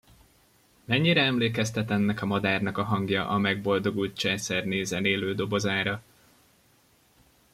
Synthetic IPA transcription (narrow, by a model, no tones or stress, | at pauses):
mɛɲːiɾɛɛmleːkɛst̪ɛt̪ɛnːɛkɒmɒd̪aːrnɒkɒɦɒŋɡjɒʔɒmɛɡ̚bo̞ld̪o̞ɡut̪t͡ʃɛːsɛrneːzɛneːløːd̪o̞bo̞zaːɾɒ